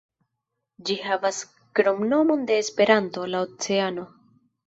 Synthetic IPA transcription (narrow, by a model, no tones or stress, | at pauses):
d͡ʒihavas | kɾomno̞mo̞nde̞ːspe̞ɾanto̞laot͡se̞ano̞